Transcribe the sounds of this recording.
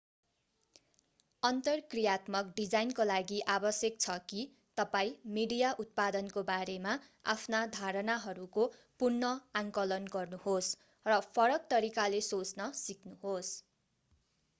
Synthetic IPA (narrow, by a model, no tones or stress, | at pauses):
ʌnt̪ʌrkrijat̪mʌkɖid͡zajnkolaɡiʔabʌsjʌk̚t͡sʰʌki | t̪ʌpaĩmiɽijaʔut̪̚pad̪ʌnkobaɾemaa̰pʰnad̪ʱaɾʌnaɦʌɾuko | purnʌaŋkʌlʌnɡʌrnuhos | rʌpʰʌɾʌk̚t̪ʌɾikalesot͡snʌsik̚ʰnuɦos